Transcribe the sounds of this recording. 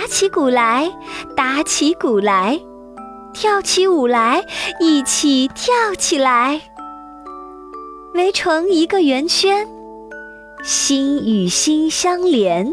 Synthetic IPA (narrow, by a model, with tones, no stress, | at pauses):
a˧˥t͡ɕʰi˧˥ku˨˩la˧˥ɪt̪a˧˥t͡ɕʰi˧˥ku˨˩la˧˥ɪ | t̪ʰjɑ˥˩ʊt͡ɕʰi˧˥u˨˩la˧˥ɪi˨˩t͡ɕʰi˨˩t̪ʰjɑ˥˩ʊt͡ɕʰi˨˩la˧˥ɪ | we˧˥ɪʈ͡ʂʰɤ˧˥ŋi˧˥ɡə˧ɥɛ˧˥nt͡ɕʰɛ˥n | ɕi˥ny˨˩ɕi˥nɕjɑ˥ŋljɛ˧˥n